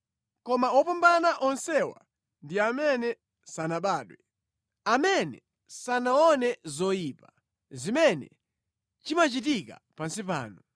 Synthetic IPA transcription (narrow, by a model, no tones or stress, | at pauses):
kɔmaɔpambanaʔɔnsɛwa̰ | ndiamɛnɛ | sanaɓaːɗwɛ | amɛnɛ̰ | sanaɔnɛzɔjiːpa | zimɛnɛ̰ | t͡ʃimat͡ʃit̬ika̰ | pansipa̰ːnɔ